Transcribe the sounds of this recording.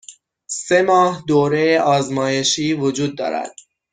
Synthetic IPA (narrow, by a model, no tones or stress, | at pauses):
se̞mɒːhd̪oːɾejeʔɒːzmɒːje̞ʃiːvod͡ʒuːd̪ːɒ̰ːɾæ̰d̪̥